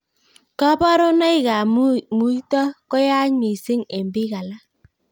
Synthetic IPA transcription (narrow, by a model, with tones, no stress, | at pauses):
ka˦bɔ˦ɾo˦na˦i˦ɣa˨˦mu˨˦i˦tɔ˦kɔ˦ja˦ɲi˨si˦ŋe˨mbɪ˦ɣa˨la˦